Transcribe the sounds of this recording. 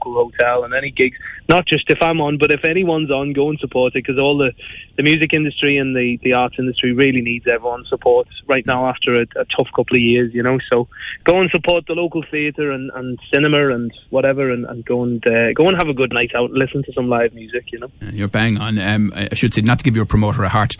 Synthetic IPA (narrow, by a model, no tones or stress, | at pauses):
kəlˠhoʊtʰɛlˠə̃nɛñiɡɪɡz̥nət̚d̥ʒ̥ʌstɪfãɪ̃mə̃nbʌɾɪfɛñiwʌ̃nzn̩ɡoʊə̃nsəpʰɔɹtɪt̚kʰʌzɔːlˠðəðəmjʉːzɪkɪ̃ndəstɹ̥iə̃nðiðiaːˑɹtsɪ̃ndəstɹ̥iɹɪːliniːdzɛvɹiwʌ̃nsəpʰɔɹtɹaɪʔⁿnaʊaftə˞əətʰʊfkʰʊpl̩ˠəvjɪəzjɨñoʊsoʊɡ̥oʊə̃nsəpʰɔɹt̪̚ðəloʊkəl̩ˠθiəɾə˞ə̃nə̰̃nsɪnəmə˞ə̃nwɒɾɛvə˞ə̃nə̰̃nɡoʊə̃ndɛɡoʊə̃nəvəɡʊdⁿnaɪtaʊtlɪsə̃n̩tʰəsʌ̃mlaɪvmjʉzɪkʰjɨnoʊjə˞baɪ̃ŋə̃nʌmaɪaɪʃəd̥seɪnətʰəɡɪvjə˞pʰɹ̥əmoʊɾə˞əhaɹt